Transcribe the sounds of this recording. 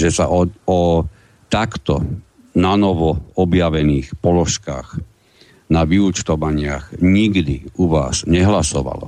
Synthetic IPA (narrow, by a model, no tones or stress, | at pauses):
ʒɛsa̰ʔɔɔ | t̪akt̪ɔ | nanɔʋɔɔbjaʋɛniːxpɔlɔʃkaːx | naʋiut͡ʃt̪ɔʋaɲɪaɣɲiɡd̪iuʋa̰ːzɲɛɦlasɔʋa̰lɔ̰